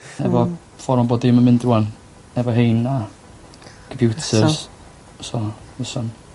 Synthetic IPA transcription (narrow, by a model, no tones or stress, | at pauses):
nɛvɔ | fɔɾmɔmbɔdɪmamɪndruːan | nɛvɔɦejna | kʰəmpʰjutʰəs | sɔvəsɔn